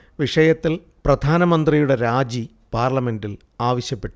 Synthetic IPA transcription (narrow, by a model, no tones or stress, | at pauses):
ʋiʂɐjɐt̪ːil | prɐd̪ʱaːnɐmɐnd̪rijuɽe̞ɾaːd͡ʑi | paːrlɐme̞ndil | aːʋɐɕjɐpːe̞ʈːu